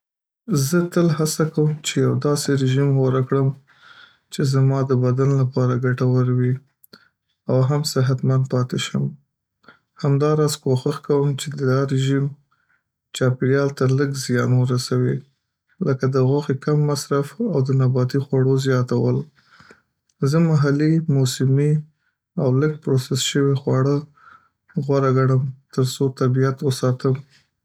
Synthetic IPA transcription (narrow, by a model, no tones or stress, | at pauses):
zət̪əlɦasakawəmt͡ʃejawd̪ɑseɾɪʒimɣaɾakɽəm | t͡ʃezmɑd̪əbad̪anlapɑɾaɡaʈawəɾwi | awɦamsɪɦat̪mand̪̚pɑt̪eʃəm | hamd̪ɑɾɑzkoxaxkawəmt͡ʃed̪ədaɾɪʒim | t͡ʃɑpɪɽjɑlt̪aləɡzjɑnwəɾasawi | ləkad̪əɣwaxekamːasɾafawd̪ənabɑt̪ixwaɽozjɑt̪awəl | zəmaɦalimusəmi | awləɡ̚pɾosɪsʃəwixwɑɽə | ɣwaɾaɡaɽəmt̪əɾsot̪abijat̪wəsɑt̪əm